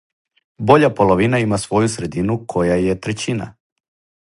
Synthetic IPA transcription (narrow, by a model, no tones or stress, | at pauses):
bo̞ʎapo̞lˠoʋinaimasʋo̞jusɾe̞d̪inukʰo̞jaje̞t̪ɾe̞t͡ɕina̰